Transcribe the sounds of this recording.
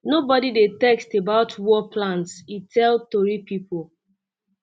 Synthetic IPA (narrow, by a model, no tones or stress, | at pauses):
nobɔdidetɛkstebaʊtʰwɔpʰlãnsitʰɛltoɹipipol